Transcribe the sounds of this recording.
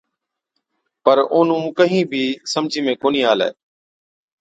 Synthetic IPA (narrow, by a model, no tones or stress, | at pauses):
pəɾoːnũːkəɦĩːbʱiːsəmd͡ʒʱiːmẽːkoːniːɦaːlɛ̰ː